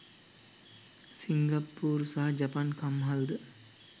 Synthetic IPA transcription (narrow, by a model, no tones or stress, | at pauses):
siŋɡapːuːɾsaɦɐd͡ʒapankamɦald̪ə